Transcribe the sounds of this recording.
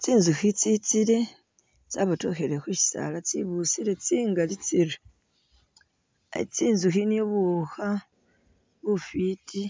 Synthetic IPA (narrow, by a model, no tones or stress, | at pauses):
t͡siːnzuxit͡sit͡siɾe̞ | t͡saβato̞xe̞ɾexwiʃi̥sa̰lat͡siβusiɾe̞t͡siːŋɡalit͡siɾe | at͡siːnzuxinioβuxa | βufitʰi